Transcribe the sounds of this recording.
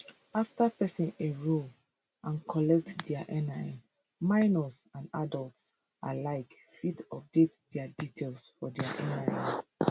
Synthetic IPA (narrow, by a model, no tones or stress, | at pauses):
aftapɛsĩneɹo | ʔãnkʰɔlɛk̚tdɛaʔɛnãn | mãɪnɔsãnadɔlts | ʔalaɪk | fitɔp̚detdɛaditʰelsfɔdɛaʔɛnaĩ